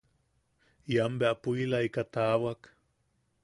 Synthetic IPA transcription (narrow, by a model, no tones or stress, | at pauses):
jambeapuilaikat̪awak